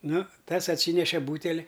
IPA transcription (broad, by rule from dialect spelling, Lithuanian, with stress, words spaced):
ˈnʊ ˈtɐs ɐtʲˈsʲiːnʲɛʃʲɛ ˈbuːtʲɛlʲɪ